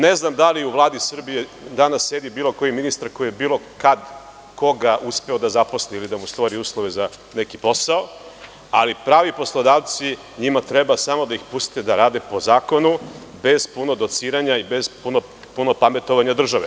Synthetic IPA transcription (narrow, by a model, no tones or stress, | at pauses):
ne̞znamd̪aliuʋlˠaːd̪isr̩bije | d̪anasːed̪ibiːlo̞ko̞jiminist̪aɾko̞jiebiːlˠo̞kad̪ | ko̞ɡaʔuspe̞o̞d̪azapo̞sliilid̪amust̪ʋoɾiuːslˠoʋe̞za | ne̞kipo̞sao | alipɾaːʋipo̞slˠod̪aːʋt̪si | ɲimat̪ɾebasamo̞d̪aixpust̪ed̪aɾaːd̪e̞po̞zaːko̞nube̞z̥puno̞d̪o̞t̪siːɾaɲaibez̥puno | puno̞pame̞t̪o̞ʋaɲad̪r̩ʒaʋḛ